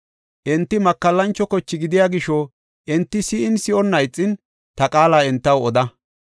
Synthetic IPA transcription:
ʔɪnt̪ːɪmɐkːɐlːɐnt͡ʃːɔkɔt͡ʃːɪɡɪd̪ɪjaːɡɪʃɔ | ʔɪnt̪ːɪsɪʔɪnsɪɔnːɐjt͡sʼːɪn | t̪ɐkʼaːlaːɪnt̪ːɐwɔd̪ɐ

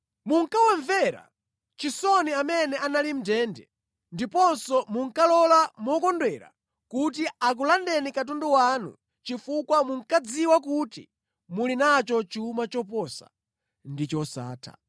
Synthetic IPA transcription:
muŋ̩kawɛɱvɛɾa̰ | t͡ʃisɔniamɛnɛʔanalim̩dɛːndɛ̰ | ndipɔnsɔmuŋkalɔlamɔkɔndwɛɾa̰ | kut̬iak̬ulandɛnikat̬ɔndɔwanṵ | t͡ʃifukwamuŋ̩kad͡ziwakutḭ | mulinat͡ʃɔt͡ʃiumat͡ʃɔpɔsa̰ | ndit͡ʃɔsa̰ːtʰa̰

